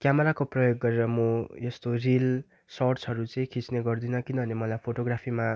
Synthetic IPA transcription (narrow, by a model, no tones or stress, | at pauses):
kjamʌɾakoprʌjoɡːʌɾeɾʌmojʌst̪oril | sʌrsɦʌɾut͡sʌĩkʰit͡sneɡʌrd̪inʌkinʌbʱʌnemʌlajpʰoʈoɡrapʰima